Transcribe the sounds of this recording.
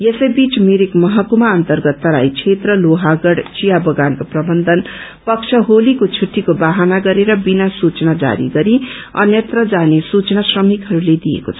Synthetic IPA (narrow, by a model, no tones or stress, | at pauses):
jesʌjbit͡smeɾekmʌɦʌkumaʌnt̪ʌrɡʌt̪ːʌɾa̰jt͡sʰet̪rʌloɦaɡʌɽt͡sijabʌɡankoprʌbʌnd̪ʌnpʌkt͡sʰʌɦolikot͡sʰuʈʰːikobaɦanaɡʌɾeɾʌbinasut͡snad͡za̰ɾḭɡʌɾiʌ̰njet̪rʌd͡zanesut͡snasrʌmikɦʌɾuled̪ijḛko̰t͡sʰ